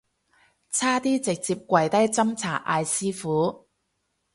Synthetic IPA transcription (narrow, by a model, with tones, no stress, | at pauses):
t͡sʰaː˥t̪iː˥t͡sɪ˨k̚t͡siː˧p̚kʷɐ˨jt̪ɐ˥jt͡sɐ˥mt͡sʰaː˨˩ʔaː˧jsiː˥fuː˨˥